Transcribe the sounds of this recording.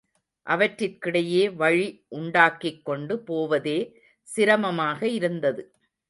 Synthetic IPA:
ʔɐʋɐʈɾɪrkɪɽɐjeːʋɐɻiʔʊɳɖaːkːɪkːɔɳɖɯpoːʋɐðeː | sɪɾɐmɐmaːɣɐɪɾɯnd̪ɐðɯ

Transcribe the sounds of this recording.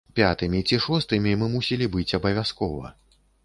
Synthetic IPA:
pʲat̪ɨmʲit͡sʲiʂɔst̪ɨmʲimɨmusʲilʲibɨt͡sʲɐbɐvʲaskɔvɐ̰

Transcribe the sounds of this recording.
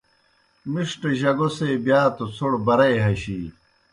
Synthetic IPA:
miʂʈeʑɐɡoseːbjaːt̪ot͡sʰoɽbɐɾɐjɦɐɕiː

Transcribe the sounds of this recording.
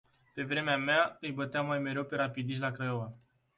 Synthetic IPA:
pe̞vɾe̞meameaɨjbət̪eamːajme̞ɾe̞wpe̞ɾapid̪iʃ̬ʲlakɾajova

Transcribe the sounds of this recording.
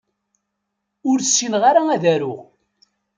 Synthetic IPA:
ʊɾsːinʁaɾaæðæɾʊʁ

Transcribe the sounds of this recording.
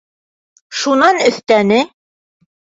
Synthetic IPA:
ʃunɑnɵ̆θt̪ænɘ

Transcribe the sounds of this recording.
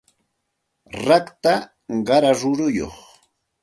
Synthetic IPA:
ɾɑkt̪a | ɢɑɾaɾʊɾʊjo̰χ

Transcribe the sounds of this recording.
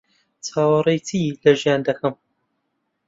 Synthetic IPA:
t͡sʰaːwɐrˤejt̪ʰilɐʒjaːnd̪ɐkɐm

